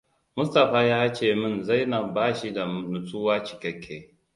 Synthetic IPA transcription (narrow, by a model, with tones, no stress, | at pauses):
mʊ˦sta˨ɸaː˦jaː˦t͡ʃeː˨mɪ˦nza˦jnaː˨baː˦ʃi˦da˨mʊ˨tʰuː˦waː˦t͡ʃɪ̥˨kʲɐ˦kʲʰːeː˦